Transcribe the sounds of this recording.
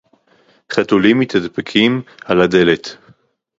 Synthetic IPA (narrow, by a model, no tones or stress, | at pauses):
χat̪ulimːit̪ad̪pekʰimalad̪e̞let̪